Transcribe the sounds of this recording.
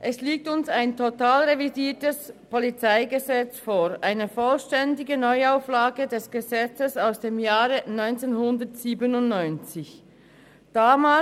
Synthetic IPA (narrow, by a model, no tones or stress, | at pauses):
ʔɛsliːk̚tʊnsaɪntʰotaːlʁevidiːtəspolit͡saɪɡəzɛt͡sfoːɾʔaɪnəfɔlʃtɛndɪɡənɔʏaʊflaːɡədɛsɡ̥əzɛt͡səsaʊsd̥eːmjaːʁənɔʏnt͡seːnhʊndətsiːbənʊntnɔʏnt͡sɪç | d̥aːmaː